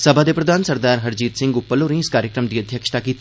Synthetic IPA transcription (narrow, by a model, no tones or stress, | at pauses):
sɐbʱad̪epɾɐd̪ʱaːnsɐɾd̪aːɾɦɐɾd͡ʑiːt̪sɪ̃ŋɡupːəloɾĩskaːɾjəkɾəmd̪iːɐd̪ʱjɐkʂɐ̥t̪akit̪